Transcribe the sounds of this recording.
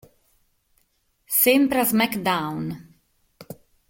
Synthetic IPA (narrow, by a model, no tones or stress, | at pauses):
sempɾazmɛkd̪awn